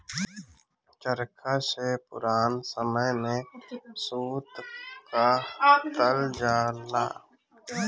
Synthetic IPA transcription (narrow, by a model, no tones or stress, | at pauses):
t͡ʃəɾkʰaːsepʊ̰ɾaːnsəməjnesuːt̪kat̪əld͡ʒaːla̰ː